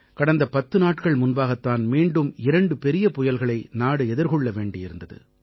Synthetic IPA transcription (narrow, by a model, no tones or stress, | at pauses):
kɐɽɐnd̪ɐpɐt̪ːɯnaːʈkɐɭmʊnbaːɣɐt̪ːaːnmiːɳɖɯmɪɾɐɳɖɯpɛɾɪjɐpʊjɐlɣɐɭɐɪnaːɽɯɛðɪɾɣɔɭːɐʋeːɳɖɪjɪɾɯnd̪ɐðɯ̰